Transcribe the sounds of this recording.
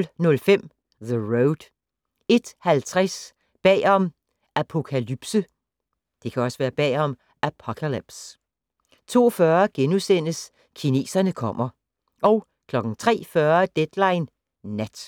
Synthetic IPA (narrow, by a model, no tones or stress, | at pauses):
lnɔ̽lfem̰ | ðəʁoʊd̥ | e̝d̥hælt͡sʰʁas | b̥ɛ̰ːɒ̽m | ʔæpʰo̝kʰælyb̥sə | d̥e̝kʰæɒ̽səʋæːɐb̥ɛ̰ːɒ̽m | ʔæpʰokʰælib̥s | t͡sʰo̝̰ːfɶɐɡ̥enusen̰əs | kʰine̝̰ːsɐnəkʰɒ̽m̰ɐ | ʔɒ̽ʊ | kʰlɒ̽ɡ̥ŋ̩t͡sʰʁɛ̰ːfɶːɐd̥ed̥lɑ̈ɪnː | æd̥